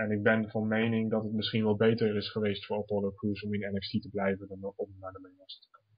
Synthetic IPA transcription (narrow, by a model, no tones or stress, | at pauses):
ɛnɪɡ̚bɛnvɑnmejnɪŋdɑtətmɪsχinʋɑlˠbejtəɹɹɪsχəʋejstfʊːɹɑtɔɹləkuɹsɔmɪnɛnɛftitəblɛjvənɑnɔmnaːdəmejlɑstəkə